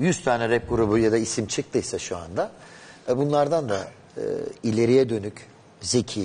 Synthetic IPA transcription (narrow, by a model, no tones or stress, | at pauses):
jyz̥t̪ʰaːnɛɾɛp̚ɡuɾubujad̪aisimt͡ʃʰɯk̚t̪ʰɯjsaʃua̰nd̪a | ɛbunlˠaɾd̪and̪a | ɯ̰ilʲe̞ɾijɛd̪ø̞nyc | ze̞cʰiː